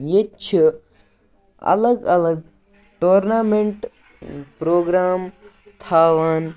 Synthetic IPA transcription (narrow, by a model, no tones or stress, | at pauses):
jet͡ʃʰi | ɐ̰ləɡɐləɡ | ʈoːɾnaːmeɳʈ | pɾoːɡɾaːm | t̪ʰaːʋaːn